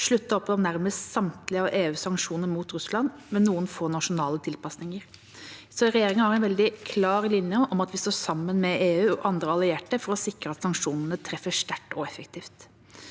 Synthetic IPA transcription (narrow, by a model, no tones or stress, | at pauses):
ʂɭʉt̪ːəɾɔpːɔmnæɾməst̪sɑmt̪lɪɑʋeːʉːsɑŋkʂuːnəɾmuːt̪ɾʉslɑn | mɛnːuːənfoːnɑʂʊnɑːlət̪ʰɪlpɑsnɪŋəɾ | sɔɾɛjeːɾɪŋənhɑɾɛnʋɛld̪ɪkʰlɑːɾlɪnjəɔmɑt̪ʋɪst̪oːsɑmːənmɛeːʉːɔʔɑnd̪ɾəɑlɪeːʈəfɔɾɔsɪkɾəɑt̪sɑŋkʂuːnənət̪ʰɾɛfːəʂt̪æʈːɔɛfəkt̪ʰiːft̪